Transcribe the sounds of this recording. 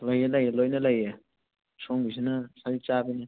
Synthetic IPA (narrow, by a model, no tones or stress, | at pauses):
lɐjelɐjelojnɐlɐje | soŋbisinɐsalit͡ʃabinɐ